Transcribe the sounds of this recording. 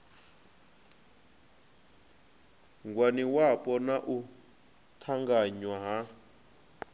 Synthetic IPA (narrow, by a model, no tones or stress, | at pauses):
ŋɡwaniwapʼɔnaʔu | tʰaŋɡaɲwaɦa